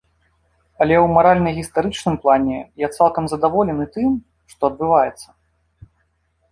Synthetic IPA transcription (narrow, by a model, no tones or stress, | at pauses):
ɐlʲɛwmaɾalʲnɐjɣʲist̪aɾɨt͡ʂnɨmplˠanʲɛjat̪salˠkɐmzɐd̪avɔlʲɛnɨt̪ɨm | ʂt̪ɔɐd̪̚bɨvajɛt̪sːɐ̥